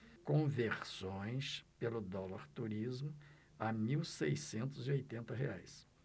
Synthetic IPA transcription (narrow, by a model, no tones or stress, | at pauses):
kõveɾsõj̃spelʊd̪ɔlaɾt̪uɾizmʊ | amiwsejsẽnt̪ʊziojt̪ẽnt̪ɐɦḛajs